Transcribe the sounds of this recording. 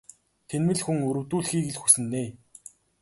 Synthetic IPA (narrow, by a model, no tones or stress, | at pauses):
t̪ʰenmɘ̆ɮxuŋɵɾɵ̆wt̪uːɮxiːɣɘ̆ɮxusɘ̆nːeː